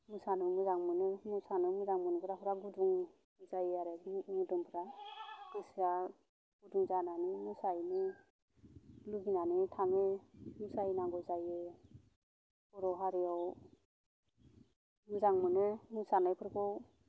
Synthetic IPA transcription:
musanɯmuzaŋmɯnɯmusanɯmuzaŋmɯnɡɯɾapʰɯɾaɡuduŋ | zajeaɾemudɔŋpʰɾad̥esa | ɡ̥uduŋzananimusajni | luɡinanitʰaŋemusajnaŋɡɔzaje | uɾɔɦaɾiɔw | muzaŋmɯnɯmusanɯjpʰɯɾkʰɔw

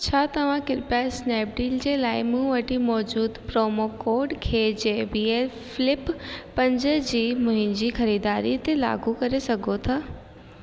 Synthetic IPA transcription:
t͡ɕʰaːt̪ɐʋ̤ãkɪɾpjasneːp̚ɖiːld͡ʑeːlaːɪmũʋɐʈimɔːd͡ʑuːd̪pɾoːmokoːɾɖkʰeːd͡ʑebiːel | fɪlɪpːɐ̃ɲd͡ʑəd͡ʑiːmʊ̃ɦɪ̃nd͡ʑiːxɐɾiːd̪aːɾit̪ela̰ːɡukɐɾesɐɡʱot̪ʰaː

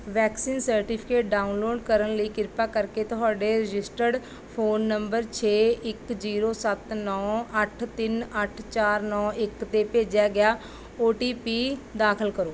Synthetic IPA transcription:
ʋɛːksiːnsəɾʈipʰɪ̥keːʈ̚ɖaːunloːɖkəɾənləiːkɪɾpaːkəɾkeːt̪ʊɦaːɖeːɾɪd͡ʒɪsʈəɖ | pʰoːnːəmbəɾt͡ʃʰeːɪkziːɾoːsət̪nɔːəʈʰt̪ɪnəʈʰt͡ʃaːɾnɔːʔɪkt̪eːpeːd͡ʒjaːɡɪjaː | oːʈiːpiːd̪aːkʰəlkəɾoː

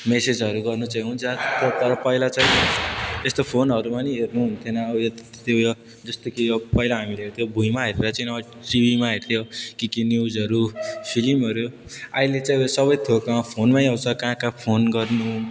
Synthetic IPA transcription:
mesed͡zʌɾuɡʌrnut͡saĩɦunt͡sʰʌt̪ʌt̪ʌɾʌpʌilat͡saĩest̪opʰonʌɾumaniɦernuɦunt̪ʰjonʌːbjo | t̪jojo | d͡zʌst̪okijopʌilaɦamileɦert̪ʰjobʱujmaɦeɾeɾat͡saĩnʌʌ | ʈibimaɦert̪ʰjokikinjud͡zʌɾupʰilimʌɾjoailet͡saĩsʌbʌjt̪ʰokãpʰonmaniawt͡sʰʌkãkapʰonɡʌrnu

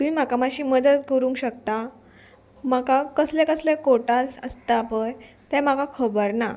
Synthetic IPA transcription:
t̪um̤iːm̤akamaɕiːməd̪ət̪kəɾũːŋkɕək̚t̪a | makakəslɛ̃kəslɛkoʈasə̰st̪apəj | t̪ɛ̃makakʰəbəɾna

